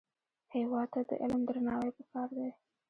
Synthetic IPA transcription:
hewɑd̪̚t̪ad̪ə̰ʔɪlmd̪ɾanɑwəjpəkɑɾd̪e

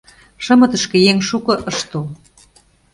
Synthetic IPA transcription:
ʃə̆mɤ̆t̪ə̆ʃkĕjeŋʃukɤ̆ʔɤʃt̪o

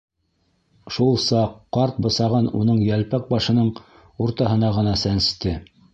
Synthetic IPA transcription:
ʃulˠsɑqːɑɾt̪̚bɤ̆sɑʁɑnunɤɴjælpæk̚bɑʃɤ̆nɤɴ | uɾt̪ɑɦɤ̆n̪ɑʁɤ̆nɑsænst̪ɘ

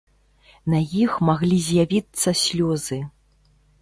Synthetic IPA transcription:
najixmaɣlʲizʲjavʲit̪sːɐsʲlʲɔzɨ

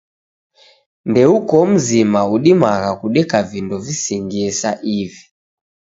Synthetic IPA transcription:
ndɛukɔm̩zimauɗimaɣakuɗɛkavindɔvisɛŋɡiɛsaʔivi

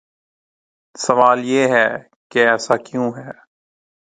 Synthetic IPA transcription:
sɐʋaːljeːɦɛː | keɛːsaːkjũːɦɛː

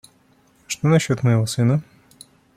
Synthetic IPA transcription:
ʂt̪onɐɕːot̪məjɪvosɨnə

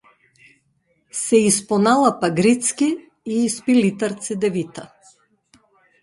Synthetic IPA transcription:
sɛispɔnalˠapaɡɾit̪skʲi | iːspilit̪aɾt̪sid̪ɛvit̪a

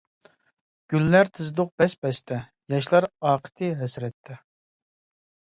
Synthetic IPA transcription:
ɡ̥ʲylːæɾt̪ʰɨzd̪ʊq̚bɛsbɛst̪ʰɛ | jɑʃlˠɑɾɑːqʰə̥t̪ʰɨɦɛsɾɛt̪ʰːɛ

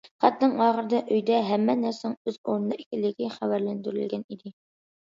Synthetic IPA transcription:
χæt̪nɨŋɑːʁəɾd̪ɑʔøjd̪ɛɦæmːɛnæɾsoŋøzoɾnnɨʔikʲɪlːɪɡʲɪχævæɾlænd̪yɾy̰lɡʲɛnid̪ɪ

